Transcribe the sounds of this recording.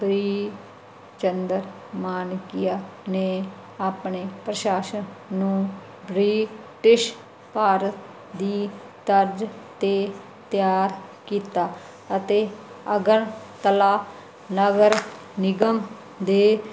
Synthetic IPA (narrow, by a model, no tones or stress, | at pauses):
bɾiː | t͡ʃənd̪əɾ | maːnkɪjaːneː | aːpɳeːpɾəʃaːʃənnũː | bɾiː | ʈɪʃ | paːɾət̪ | d̪iː | t̪əɾd͡ʒt̪eː | t̪jaːɾkiːt̪aː | ət̪eː | əɡəɾt̪əlaː | nəɡəɾ | nɪɡəm | d̪eː